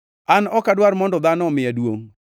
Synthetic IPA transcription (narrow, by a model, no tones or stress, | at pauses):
anɔkadwaɾmɔndɔd̪anɔmɪjadwoŋ